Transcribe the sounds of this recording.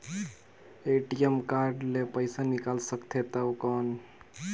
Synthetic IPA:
eʈijemkaɾɖlepəɪsanikalsəkt̪ʰet̪əwkɔn

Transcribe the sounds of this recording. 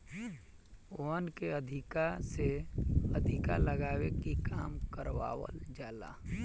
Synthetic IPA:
onkeəd̪ʱɪkaseəd̪ʱɪka̰ləɡaːwekikaːmkəɾwa̰ːwə̰ld͡ʒaːla̰

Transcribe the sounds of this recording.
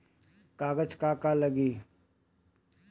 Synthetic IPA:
kaːɡəd͡ʒkaːkaləɡiː

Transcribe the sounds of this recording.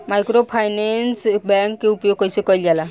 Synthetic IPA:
majkɾopʰajnensbɛŋkːeupjoɡ̚kɔjsekɔjljala

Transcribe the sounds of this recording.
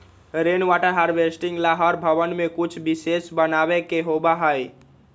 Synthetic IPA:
ɾenʋaːʈəɾɦaɾʋesʈĩŋɡlaɦɔɾbʱəʋənmẽkʊt͡ʃʰbɪsesbənaːʋekeɦobaɦəi

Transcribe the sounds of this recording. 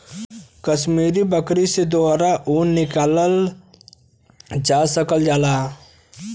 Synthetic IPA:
kəʃmiːɾibəkɾised̪oɾaʔuːnːɪkaːləl | d͡ʒaːsəkəld͡ʒaːlaː

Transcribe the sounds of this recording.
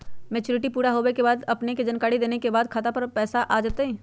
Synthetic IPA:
mɛːt͡ʃʊːɾɪʈipuːɾaɦoːbekebaːd̪ɐpneked͡ʒɐnkaːɽid̪eːnekebaːd̪kʰaːt̪apɐɾpɛːsaʔaːd͡ʒaːt̪eɦɛ̃ː

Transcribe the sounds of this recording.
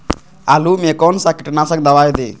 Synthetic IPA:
ɐlumeːkɔnsakiʈnaːsɐk̚d̪ɐʋaːjd̪i

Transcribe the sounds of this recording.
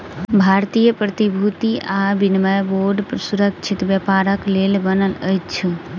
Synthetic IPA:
bʱaɾt̪ijəpɾət̪ibʱut̪iʔabinməjboɾɖpɾsuɾək̚t͡ʃʰit̪bjəpaɾəklelbənələjt͡ʃʰ

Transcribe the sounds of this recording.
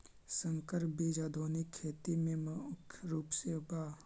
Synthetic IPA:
səŋkəɾbed͡ʒaːd̪ʱoːnikʰːeːt̪imẽmʊkʰɾuːpsebaː

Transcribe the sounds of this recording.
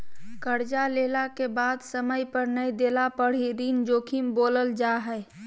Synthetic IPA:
kəɾd͡ʒaleːlakebaːd̪səməjpəɾnəjd̪eːlapəɽ̤iɾiːnd͡ʒoːkʰimboːləld͡ʒaɦɛː

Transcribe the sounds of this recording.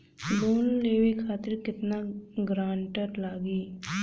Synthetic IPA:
d̪oːnleːʋekʰaːt̪ɪɾkɪt̪naɡɾaːɳʈəɾlaːɡiː

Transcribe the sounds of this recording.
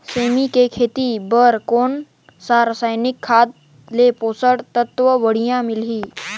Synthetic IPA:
seːmikekʰeːt̪ibəɾkoːn | saːɾsaːɪnɪkʰːaːd̪ | lepoːsəɽt̪ət̪ʋəʋəɽ̤ijãmɪlɦiː

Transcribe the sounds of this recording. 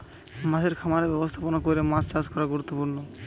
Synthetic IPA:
maʃʰeɾkʰamaɾebɛbost̪ʰaponakoɾemast͡ʃad͡ʑkɔɾaɡuɾut̪ːopuɾno

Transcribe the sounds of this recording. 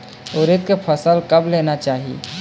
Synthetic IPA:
oɾet̪̚kepʰəsəlkəblenat͡ʃaːɦi

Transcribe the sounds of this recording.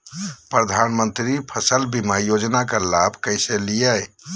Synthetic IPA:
pɾəd̪ʱanmənt̪ɾipʰəsəlbimajod͡ʒnakəɾlabʱkəjselijəj

